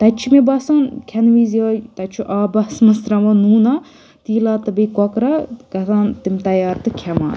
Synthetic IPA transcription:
t̪ɐt͡ʃʰumebɐsankʲʰɐnʋizot̪ɐt͡ʃʰuʔaːbɐsmɐsɾɐʋɐnuːna | t̪iːlaːt̪ɨbɐjkɔkɾɐɡɐt̪ʰaːnt̪imt̪ɐjaːɾt̪ɨkʲʰɛma̰ː

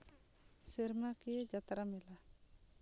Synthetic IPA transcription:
sɛɾmakid͡ʒat̪ɾamɛla

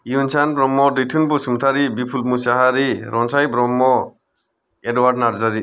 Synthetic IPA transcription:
junsanbɾɔmːɔditʰɯnpusumt̪ʰaɾibipʰulmusaɦaɾiɾɔnsajbɾɔmːɔ | edwaɾdnaɾzaɾi

